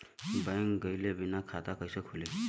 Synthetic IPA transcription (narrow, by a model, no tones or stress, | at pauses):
bajŋɡʌjlebinakʰat̪akʌjsʌkʰule